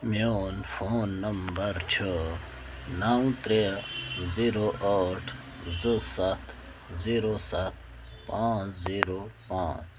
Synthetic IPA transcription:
mjoːnfʰoːnːɐmbəɾt͡ɕʰə | naːw̃t̪ɾeziːɾoʔəʈʰ | zəsɐt̪ʰ | ziːɾosɐt̪̚ | pãːt͡sziːɾopãːt͡s

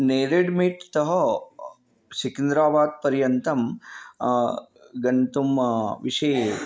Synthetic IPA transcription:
neːɾeɖmiʈt̪ɐɦɐ̆ | sikind̪ɾaːbaːd̪̚pɐɾjɐnt̪ɐm | ɡɐnt̪umʋiʂeː

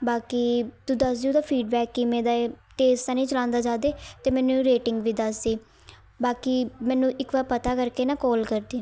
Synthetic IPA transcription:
baːkiːt̪uːd̪əsd̪iuːd̪aːpʰiːɖbɛːkːimɛ̃ːd̪aː | ʈeːsʈ̪aːnĩːt͡ʃəlãːnd̪aːd͡ʒaːd̪eːt̪eːmɛ̃ːnũːɾeːʈɪŋɡʋiːd̪asiː | baːkiːmɛ̃ːnũːʔɪkʋaːɾpət̪aːkəɾkeːnãːkɔːlkəɾd̪iː

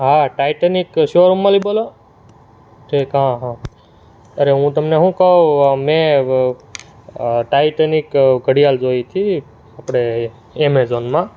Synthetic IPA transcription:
ɦaʈajʈənikʃoɾumːãlibolo | ʈʰiːkɦãɦã | əɾeɦũt̪əmneɦũkəomẽ | ʈajʈənikɡʱəɽijald͡ʒojt̪ʰi | apɽ̃e | emezonmã

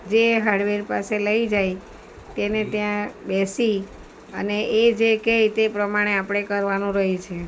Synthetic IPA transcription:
d͡ʒeɦaɖʋeɾpaseləid͡ʒaj | t̪enet̪jãbesi | əneʔed͡ʒekejt̪epɾəmaɽ̃eapɽ̃ekəɾʋanũɾəɦit͡ʃʰe

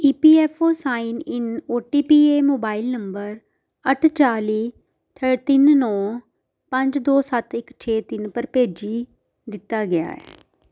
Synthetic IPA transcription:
iːpiːɛːfʰoːsaːɪnɪnoːʈiːpiːeːmoːbaːɪlnəmbəɾ | əʈʰt͡ʃaːliː | t̪ʰəɽt̪ɪnnɔ̃ː | pəɲd͡ʒd̪oːsət̪ɪkt͡ʃʰeːt̪ɪnpəɾpeːd͡ʒiː | d̪ɪt̪ːaːɡɪa̰ːɛ̰ː

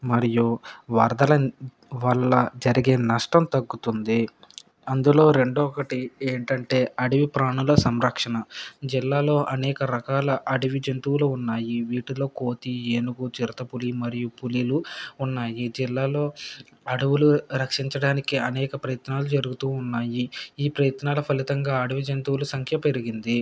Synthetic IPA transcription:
mɐɾijuʋɐɾd̪ɐlɐ | ʋɐɭːɐd͡ʒɐɾiɡe̞ːnɐʂʈɐmt̪ɐɡːut̪und̪i | ɐnd̪ulo̞ːɾe̞ɳɖɔːkɐʈieːɳʈɐɳʈe̞ːɐɽiʋipɾaːɳulɐsɐmɾɐkʂɐnɐd͡ʒilːaːlo̞ːʔɐnɛːkɐɾɐkaːlɐʔɐɽiʋid͡ʒɐnt̪uwluːunːaːjiʋiːʈulo̞ːko̞ːt̪ieːnuɡut͡ʃiɾɐt̪ɐpulimɐɾijupuliluunːaːjid͡ʒilːaːlo̞ː | ɐɽuwuluɾɐkʂiɲt͡ʃɐɽaːnikiɐnɛːkɐpɾɐjɐt̪naːlud͡ʒɐɾuɡut̪uːnːaːjiiːpɾɐjɐt̪naːlɐpʰɐlit̪ɐŋɡaːɐɽuʋid͡ʒɐnt̪uwulusɐŋkʰjɐpeɾiɡind̪i

